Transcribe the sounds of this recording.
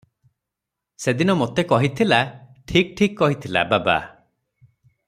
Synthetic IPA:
sed̪inɔmot̪ekɔɦit̪ʰilaʈʰik̚ʈʰikkːɔɦit̪ʰila̰baba̰

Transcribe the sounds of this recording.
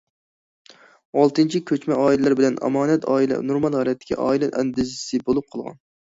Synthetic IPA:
ɑlˠt̪ɨnt͡ʃʰikʲʰøt͡ʃmɛɑːilɛlæɾbɪlɛnʔɑ̰mɑːnɛt̪ʰɑːilɛ̰nuɾmɑlˠhælɛt̪ʰːɪ̥kʲʰḭʔɑ̰ːilɛʔɛnd̪ɪzsɨbolˠup̚qʰəlˠʁɑ̰n

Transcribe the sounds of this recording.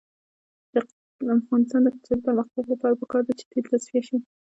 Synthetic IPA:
d̪̥ə | afɣɑnɪst̪ɑnd̪əkat͡ʃaɾpəɾməxt̪aɡlapɑɾapəkɑɾd̪at͡ʃe̥t̪eɾlasfijaʃi

